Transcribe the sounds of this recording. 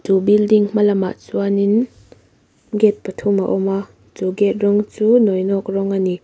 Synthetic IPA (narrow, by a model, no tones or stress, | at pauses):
t͡subildiŋm̥alɐma̰ʔt͡suanin | ɡɛt̪̚pət̪ʰumaʔɔma | t͡suɡɛt̪̚rɔŋt͡suːnɔjnɔk̚rɔŋani